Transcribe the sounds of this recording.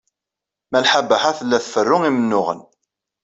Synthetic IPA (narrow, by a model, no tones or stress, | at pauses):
mælħabəħaθəlːæθfərːʊŋimənːʊʁə̰n